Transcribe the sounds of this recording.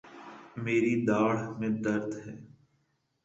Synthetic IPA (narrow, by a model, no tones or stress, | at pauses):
meːɾid̪aːɽ̤mẽd̪əɾd̪ɦɛː